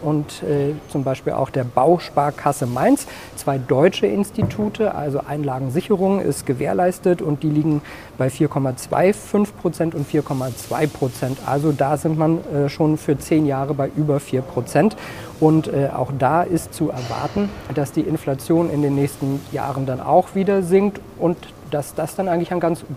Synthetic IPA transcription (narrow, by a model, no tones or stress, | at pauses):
ʔʊntɛːt͡sʊmbaɪʃpiːlʔa̰ʊxd̥eːɐbaʊʃpaːɐkʰasəmaɪns | t͡sv̥aɪdɔʏt͡ʃəʔɪnstitʰuːtʰəʔa̰lzoʔaɪnlaːɡŋ̩zɪçəʁ̞ʊŋnʔɪ̰stɡ̥əveːɐlaɪstətʊnt̚d̥iːliːɡŋ̩ | b̥aɪfiːɐkʰɔmat͡sv̥a̰ɪfʏnfpʁ̥ot͡sɛntʊntfiːɐkʰɔmat͡sv̥a̰ɪpʁ̥ot͡sɛntʔa̰lzodaːzɪntmanɛːʃoːnfyːɐt͡seːnjaːʁəbaɪʔyːbɐfiːɐpʁ̥ot͡sɛnt | ʔʊntɛːʔa̰ʊxd̥aːʔɪstt͡suʔɛɐva̰ɐtn̩d̥asd̥iːʔɪnflat͡sjoːnʔɪndeːnːɛːçstn̩ja̰ːʁəndanʔa̰ʊxv̥iːdɐzɪŋtʔʊnt | d̥asd̥asd̥anʔaɪɡŋ̩tlɪçaɪnɡant͡s